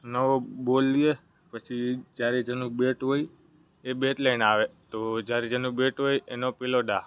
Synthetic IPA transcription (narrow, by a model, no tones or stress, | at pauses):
nəʋobolije | pət͡ʃʰid͡ʒjaɾed͡ʒənũbeʈɦoj | ebeʈ̪ləinaʋet̪od͡ʒjaɾed͡ʒənũbeʈɦojenopiloɖa